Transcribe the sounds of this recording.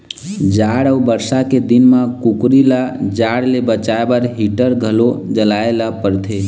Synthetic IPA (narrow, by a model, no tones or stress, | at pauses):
d͡ʒaɽəubəɾsaked̪inmãkukɾilad͡ʒaɽlebət͡ʃaebəɾɦiʈəɾɡʱəlod͡ʒəlaelapəɾt̪ʰe